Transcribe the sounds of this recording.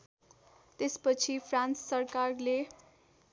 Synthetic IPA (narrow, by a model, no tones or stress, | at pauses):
t̪espʌt͡sʰipʰrãnt͡ssʌrkarle